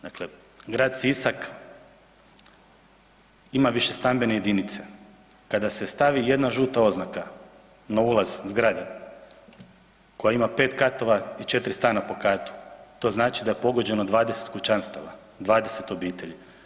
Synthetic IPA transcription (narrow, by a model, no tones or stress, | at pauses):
d̪akle | ɡɾaːd̪sisak | imaʋiʃest̪ambe̞neje̞d̪init̪se̞ | kad̪ase̞st̪aʋije̞d̪naʒuːt̪ao̞znaka | naulˠazzɡɾad̪e | ko̞jaimape̞ːt̪kat̪o̞ʋait͡ʃe̞t̪ɾist̪aːnapo̞kaːt̪u̥t̪o̞ːznaːt͡ʃid̪ajepo̞ɡo̞d͡ʑe̞nod̪ʋaːd̪ese̞t̪kut͡ʃanst̪a̰ʋa̰ | d̪ʋaːd̪e̞se̞t̪o̞biːt̪e̞ʎi